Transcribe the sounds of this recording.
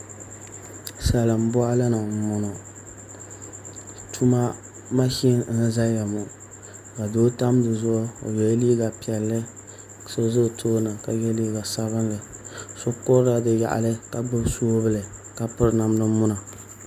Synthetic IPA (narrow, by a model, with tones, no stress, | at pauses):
sa˨lɨ˨m˦bɔ˦a˦lɨ˦nɨ˨m̩˦˨mʊ˨nɔ˨ | tu˦ma˦ | ma˦ʃi˦n˦n̩˦za˦ja˨mʊ˨ | ka˨doː˦ta˦mdɨ˨zʊ˦ʔo̰˨jɛ˦li˦ɡa˨pi˨ɛ˨lːɨ˦˨ | so˦zʊ˦˨tʰoː˦na˨ka˨jɛ˦liː˦ɡa˨sa˦βɨ˦nlɨ˨so˦kʊ˦ɾɾa˨dɨ˨ja̰˨ʔa̰˨lɨ˦ka˨ɡ͡bʊ˦soː˦bɨ˦lɨ˨ | ka˨pɨ˦ɾna˨mnɨ˦mʊ˦na˨